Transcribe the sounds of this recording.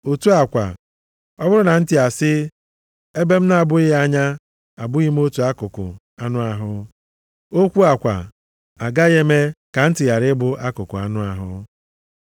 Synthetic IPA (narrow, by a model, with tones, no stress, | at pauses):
o˨tu˦a˨kʷa̰˨ | ɔ˦bʊ˦ɾʊ˦na˨n̩˦tɪ˦a˨sɪ˦ | e˦be˦m̩˦na˦a˨bʊ˦ɪ˦a˦ɲa˦ | a˨bʊ˦ɣi˦m̩˦o˦tu˨a˦kʊ˨kʊ̰˨ | a˦nʊ˦a˨ɦʊ˦ | o˦kʷu˦a˨kʷa̰˨ | a˨ɡa˦ɣe˦me˦ka˨n̩˦tɪ˨ɣa˨ɾɪ˦bʊ˦ʔa˦kʊ˨kʊ˨a̰˨nʊ˦a˨ɦʊ̰˦